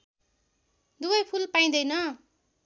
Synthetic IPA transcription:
d̪ubʌjpʰulpaĩd̪ʌjnʌ

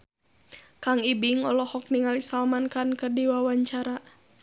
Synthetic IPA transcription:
kaŋibiŋɔlɔhɔk̚niŋalisalmankankərdiwawaɲt͡ʃaɾa

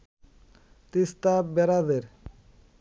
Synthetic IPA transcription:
t̪ist̪abɛɾad̪eɾ

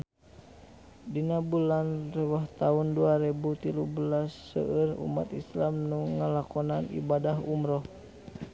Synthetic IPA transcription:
dinabulanrɛwaht̪aunduaɾɛbut̪iluhbəlasːə̰ʔərṵma̰t̪islamnuŋːalakɔnanḭbadaɦumɾɔh

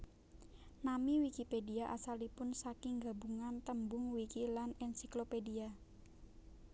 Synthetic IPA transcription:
namiwikipediaʔasalipʊnsakɪŋɡabuŋant̪əmbʊŋwikilanɛnsiklopedia

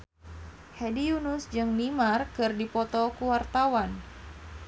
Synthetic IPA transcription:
hɛdijunʊsd͡ʒɨŋnimarkɨrdipɔt̪ɔkuwart̪awan

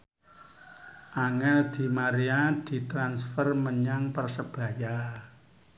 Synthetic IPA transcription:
ʔaŋad̪̥i̤maɾiad̪̥i̤t̪ɾansfərməɲaŋpərsəb̥a̤ja

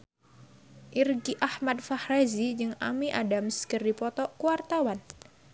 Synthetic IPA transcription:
ʔirɡiʔahmad̪̚fahrazid͡ʒɨŋa̰miʔadamskərdipɔt̪ɔʔkuwart̪awan

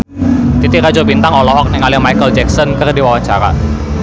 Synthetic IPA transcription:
t̪it̪iɾad͡ʒɔbint̪aŋɔlɔɦɔk̚niŋalɪhmajkəld͡ʒɛk̚sɔnkərdiwawaɲt͡ʃaɾa̰

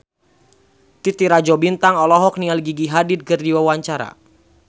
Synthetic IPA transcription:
t̪it̪iɾad͡ʒɔbint̪aŋɔlɔɦɔk̚nialiɡiɡiɦadid̪̚kərdiwawaɲt͡ʃaɾa̰

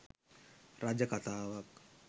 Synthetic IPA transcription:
ɾaːd͡ʒəkɐt̪ʰaːʋɐk

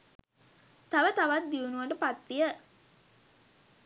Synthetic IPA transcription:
t̪aʋət̪aʋat̪̚d̪iunuʋəʈəpat̪ʋijə

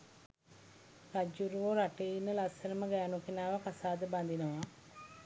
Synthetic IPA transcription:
ɾad͡ʒuɾuʋoɾaʈeinːəlasɐɾəməɡaːnukinaːʋakasaːd̪əband̪inəʋa

